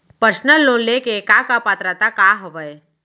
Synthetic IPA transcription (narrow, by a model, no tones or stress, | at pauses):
pəɾsnəlːõːnlekekaːkapaːt̪ɾət̪akaːɦəʋəe